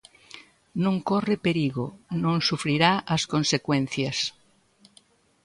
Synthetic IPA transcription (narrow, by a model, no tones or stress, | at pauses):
nõŋkorepeɾiɣonõŋsufɾiɾaʔɐskõnsekwẽn̟θjas